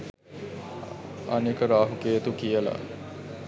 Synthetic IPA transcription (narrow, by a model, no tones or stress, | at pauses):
ɐ̰nekəɾaːɦukejət̪ukijəla̰